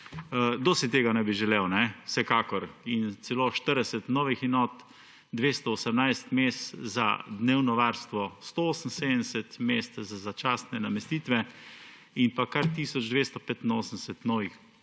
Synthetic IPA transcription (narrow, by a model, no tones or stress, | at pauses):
d̪ɔsit̪eːɡanɛbiʒɛlewnɛsɛkaːkɔɾint̪sɛloʃt̪əɾd̪ɛsɛt̪nɔːʋixinɔt̪ | d̪ʋeːst̪ɔɔsəmnajst̪mest̪za̰d̪neːwnɔʋaɾst̪ʋɔst̪ooːsən̩sed̪ənd̪ɛsɛt̪mest̪zazat͡ʃaːsnɛnamɛst̪iːt̪ʋɛ | inpakaɾt̪iːsɔd͡ʒd̪ʋest̪ɔpet̪inoːsən̩sɛt̪nɔːʋix